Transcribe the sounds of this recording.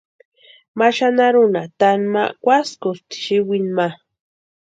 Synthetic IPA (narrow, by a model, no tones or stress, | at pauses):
maʃanaɾʊnat̪anma̰kʷaskʊst̪i̥ʃiwinma